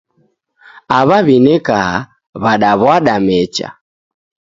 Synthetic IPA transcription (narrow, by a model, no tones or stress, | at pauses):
aβaβinɛka | βaɗaβwaɗamɛt͡ʃa̰